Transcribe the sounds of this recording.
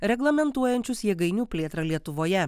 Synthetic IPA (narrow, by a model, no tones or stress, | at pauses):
ɾʲɛɡlˠɐmʲɛnt̪uɔjɛnʲt͡ʃʲʊsjɛɡɐɪnʲuːpʲlʲeːt̪ɾɐlʲiɛt̪ʊʋoːjɛ